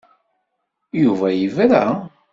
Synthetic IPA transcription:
juvæjəvɾæ

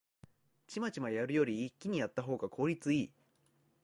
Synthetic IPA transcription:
t͡ɕimat͡ɕimajaɾɯ̟jo̞ɾʲiːkʲːiɲ̟ijat̪ːaɦo̞ːɡakʰo̞ːɾʲit͡sɨiː

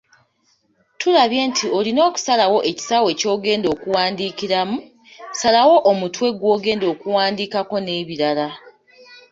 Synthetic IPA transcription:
tulaβje̞ːntʰio̞lino̞ːku̥salawo̞ʔe̞ci̥sawe̞co̞ːɡe̞ːndo̞ːkuwaːndiːkiɾamu̥ | salawo̞ʔomutwe̞ɡwo̞ːɡe̞ːndo̞ːkuwaːndikako̞ne̞ːβiɾala

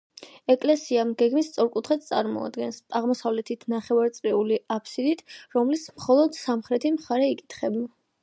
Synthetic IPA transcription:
ɛkʼlɛsiamɡɛɡmist̪sʼɔɾkʼut̪ʰχɛt̪̚ʰt̪sʼa̰ɾmɔ̰a̰d̪ɡɛnsaʁmɔsavlɛt̪ʰit̪ʰnaχɛvaɾt̪sʼɾɛuliʔapʰsid̪it̪ʰɾɔmlismχɔlˠɔd̪samχɾɛt̪ʰimχaɾɛikʼit̪ʰχɛbna

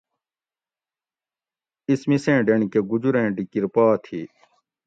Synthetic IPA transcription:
ismisẽːɖeɳikeɡud͡ʑuɾẽːɖikiɾpaːt̪ʰiː

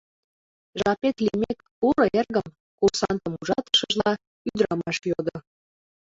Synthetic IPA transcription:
ʒɑpet̪limek | uɾɤ̆erɣəm | kursɑnt̪ə̆muʒɑt̪ə̥ʃəʒlɑ | yd̪ɾɑmɑʃjod̪o

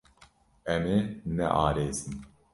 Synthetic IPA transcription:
ɛmenɛ̰ʔɑːɾeːzɨn

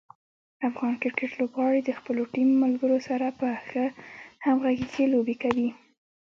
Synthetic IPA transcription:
afɣɑnkɪɾkeʈlobɣɑɽid̪əxpəloʈimːalɡəɾosaɾapəxəhamɣaɡiselobekawi

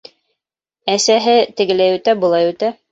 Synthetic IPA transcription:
æsæɦɘt̪ɘ̆ɡɘ̆læjʉt̪æbŭlˠɑjʉt̪æ

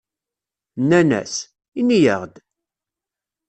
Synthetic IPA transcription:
nːænæ̰s | inijəʁd̪

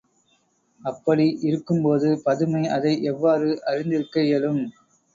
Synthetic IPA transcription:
ɐpːɐɽiʔɪɾɯkːɯmpoːðɯpɐðɯmɐɪɐðɐɪʔɛʋːaːɾɯʔɐrɪnd̪ɪɾɯkːɐjɐlɯm

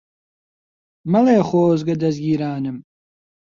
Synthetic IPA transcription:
mɐleːχoːzɡɐd̪ɐzɡʲiːɾaːnɨm

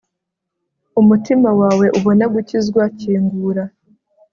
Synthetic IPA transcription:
umutimawaːwe̞ʔuβo̞naɡucizɡwaciːŋɡuːɾa

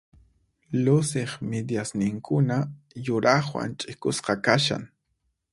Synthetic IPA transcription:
lʊsɪχmɪd̪jasnɪŋkʰʊna | jʊɾɑχwa̰nt͡ʃʼɪkʊsqɑkaʃa̰ŋ

